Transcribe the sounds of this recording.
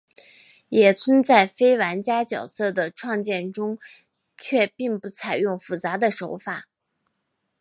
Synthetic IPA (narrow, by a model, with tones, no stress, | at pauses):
jɛ˨˩t͡sʰwə˥nt͡sa˥˩ɪfe˥ɪwa˧˥nt͡ɕja˥t͡ɕjɑ˨˩ʊsɤ˥˩d̪ə˩ʈ͡ʂʰwɑ˥˧ŋt͡ɕjɛ˥˩nʈ͡ʂʊ˥ŋ | t͡ɕʰɥɛ˥˧pi˥˧ŋpu˥˩t͡sʰa˨˩ɪjʊ˥˧ŋfu˨˩t͡sa˧˥d̪ə˧ʂo˧˥ʊfa˨˩˦